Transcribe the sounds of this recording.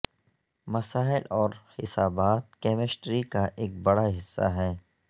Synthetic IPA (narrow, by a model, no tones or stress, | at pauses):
mɐsaːɪlɔːɾhɪsaːbaːt̪̚keːmɪsʈɾikaʔeːk̚bɐɽaɦɪsːa̰ɦɛː